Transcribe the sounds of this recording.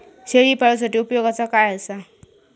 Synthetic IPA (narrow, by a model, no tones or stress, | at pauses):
ɕeɭiːpaɭus̬aʈiːupjoɡat͡sakajəsa